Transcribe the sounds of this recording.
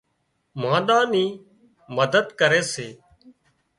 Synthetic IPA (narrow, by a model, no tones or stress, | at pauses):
mãːɗ̪ãːnĩː | məd̪əd̪kəɾeːseː